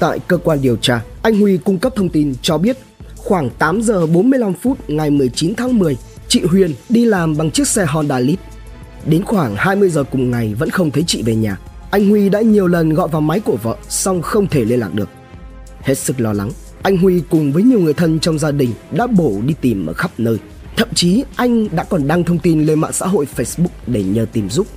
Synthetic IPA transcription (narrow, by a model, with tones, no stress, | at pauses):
t̪a̰ː˧˨jkəː˧kwaː˧nɗi˨˩əwt͡ɕaː˧ʔa˧jŋ̟hwi˧kʊ˧ŋ͡mkə˦˥p̚t̪ʰə˧wŋ͡mt̪i˧nt͡ɕɔ˧ɓi˦˥ət̚xwaː˧˩ŋt̪aː˨˦mzəː˨˩ɓo˨˦nmɨ˧əjla˧mfu˦˥t̚ŋa˨˩jmɨ˨˩əjt͡ɕi˨˦nt̪ʰaː˨˦ŋmɨ˨˩əj | t͡ɕḭ˧˨ɦwi˨˩ənɗi˧laː˨˩mɓa˨˩ŋt͡ɕɨ˦˥ək̚sɛ˧ɦɔ˧nɗaː˧li˦˥t̚ | ɗe˨˦nxwaː˧˩ŋhaː˧jmɨ˧əjzəː˨˩kʊ˨˩ŋ͡mŋa˨˩jvə̰˧˥nxə˧wŋ͡mt̪ʰə˨˦jt͡ɕḭ˧˨ve˨˩ɲa̰ː˨˩ | ʔa˧jŋ̟hwi˧ɗa̰ː˧˥ɲi˨˩əwlə˨˩nɣɔ̰˧˨jvaː˨˩wma˨˦jku˧˩əvə̰ː˧˨sa˧wŋ͡mxə˧wŋ͡mt̪ʰe˧˩le˧nla̰ː˨˩k̚ɗɨ˨˩ək̚ | he˦˥t̚sɨ˦˥k̚lɔ˧la˨˦ŋ | ʔa˧jŋ̟ɦwi˧kʊ˨˩ŋ͡mvəː˨˦jɲi˨˩əwŋ˨˩əjt̪ʰə˧nt͡ɕɔ˧wŋ͡mzaː˧ɗï˨˩ŋ̟ɗa̰ː˧˥ɓo˧˩ɗi˧t̪i˨˩mʔəː˧˩xa˦˥p̚nəː˧j | t̪ʰə̰˧˨mt͡ɕi˨˦ʔa˧jŋ̟ɗa̰ː˧˥kɔ˨˩nɗa˧ŋt̪ʰə˧wŋ͡mt̪i˧nle˧ma̰ː˧˨ŋsa̰ː˧˥ɦo̰˧˨jfe˧˦jsɓʊ˦˥k͡p̚ɗe˧˩ɲəː˨˩t̪i˨˩mzʊ˦˥k͡p̚